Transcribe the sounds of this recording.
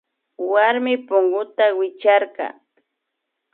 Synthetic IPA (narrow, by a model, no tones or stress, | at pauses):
waɾmɪpʊŋɢʊt̪awɪt͡ʃaɾkɑ̰